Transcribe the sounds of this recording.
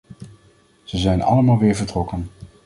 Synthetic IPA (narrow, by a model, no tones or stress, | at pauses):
z̥əzɛjnʔɑ̰ləmaːlˠʋɪːɹvəɹtrɔkən